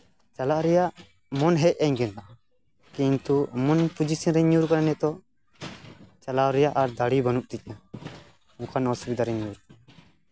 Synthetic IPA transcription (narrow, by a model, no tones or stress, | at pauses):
t͡ʃalaʔɾɛjaʔ | mɔnɦɛc̚ˀɛɲɡɛnt̪aʔa | kint̪umɔnpud͡ʒisiɾɛɲuɾkaɾanɛt̪ɔ | t͡ʃalawɾɛjaʔaɾd̪aɽibanuʔ̚t̪ic̚ˀna | ũkʰanɔsubid̪aɾɛɲuɾ